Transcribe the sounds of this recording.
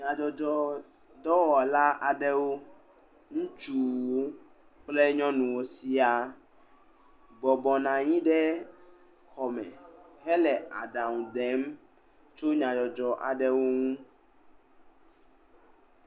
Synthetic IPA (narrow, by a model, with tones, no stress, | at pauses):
ɲã˨d͡ʒɔ˨d͡ʒɔ˨ | d̪ɔ˦wɔ˨la˦ʔa˨ɖɛ˦wo˦ | ŋũ˦t͡ʃu˨wwo˦ | k͡ple˦ɲɔ̃˦nũ˨wo˦si˦a˨ | bɔ˨bɔ˨nã˨ɲĩ˦ɖɛ˦ | xɔ˨mɛ̰̃˨ɦɛ˦lɛ˨a̰˨ɖa˨ŋũ˨d̪e˨˦m | t͡ʃo˦ɲã˨d͡ʒɔ˨d͡ʒɔ˨ʔa̰˨ɖɛ˦wo˦ŋũ˦